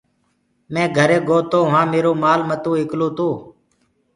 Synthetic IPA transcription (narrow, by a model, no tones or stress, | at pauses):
mɛ̃ːɡʱəɾeːɡoːt̪oːʋãːmeːɾoːmaːlmət̪ũːɪklõːt̪õː